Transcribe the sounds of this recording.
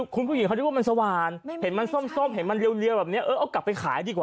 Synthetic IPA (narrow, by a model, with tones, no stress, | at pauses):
kʰu˧npʰu˥˩i˨˦ŋka˧˩˧waː˧ma˧sa˧waː˧nhe˩˦nma˧nso˥˩mso˥˩mɦe˩˦nma˧nli˧əwli˧bɛː˨˩p̚ni˦˥ɐʔɤː˧˩ʔa˧˩kla˨˩pːa˧jkʰaː˩˦jdiː˧kwaː